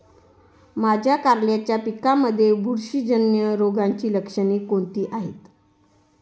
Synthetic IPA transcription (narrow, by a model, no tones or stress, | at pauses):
mad͡ʑʱjakaɾljat͡ɕjapikaməd̪ʱːjebʱuɾɕid͡ʑənjəɾoɡʱaɲt͡ɕiːləkʂəniːkoɳt̪iːʔaɦet̪